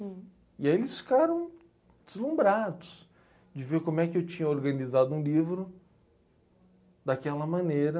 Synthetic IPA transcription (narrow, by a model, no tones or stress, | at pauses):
iaielɪsfi̥kaɾɐ̃w̃ | d͡ʒɪzlũmbɾad̪ʊs | d͡ʒɪveɾkõmʊɛkɪewt͡ʃĩɲɐoɾɡɐnizad̪ʊũlivɾʊ | d̪akɛlɐmɐ̃nejɾɐ